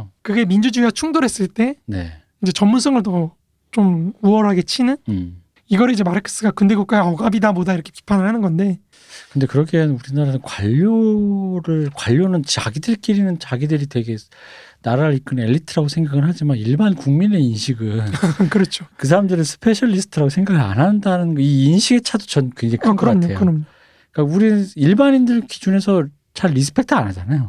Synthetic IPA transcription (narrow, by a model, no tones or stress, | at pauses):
kɯɡe̞mind͡ʑud͡ʑuiat͡ɕʰuŋdoɾɦe̞s͈ɯɭt͈e̞ne̞̰ | id͡ʑe̞t͡ɕʌmːunsʰʌŋɯɭtʌ | t͡ɕ͈omuʌɾɦaɡe̞t͡ɕʰinɯn | iɡʌɾɯid͡ʑemaɾɦekʰe̥s͈ɯɡakɯnde̞kʌk͈ajʌɡabidabodaiɾʌkʰe̞pi̥pʰanɯɭhanɯnɡʌnde̞ | kɯnde̞kɯɾʌkʰenuɾinaɾanɯnkwaʎːoɾɯɭkwaʎːonɯnt͡ɕa̰ɡidɯɭk͈iɾinɯnt͡ɕaɡidɯɾitwe̞ɡe̞ | naɾaɾɯɭik͈ɯne̞ʎːitʰɯɾaɡosʰe̞ŋɡaɡɯɭɦad͡ʑimaniɭbankuŋmine̞inɕʰiɡɯnkɯɾʌt͡ɕʰokɯs̬ʰaɾamdɯɾɯnsʰɯ̥pʰe̞ɕʰʌɭːisʰɯ̥tʰɯɾaɡosʰe̞ŋɡaɡɯa̰nɦandanɯnɡʌiːnɕʰiɡe̞t͡ɕʰado̥t͡ɕʌnkweŋd͡ʑeŋkʰɯnɡʌkaɲtoeoɯɾʌmɲo | ik͈auɾiniɭbanindɯɭki̥d͡ʑune̞sʰʌ | t͡ɕʰaɭːis̬ʰɯ̥pʰe̞k̚tʰɯanad͡ʑanajo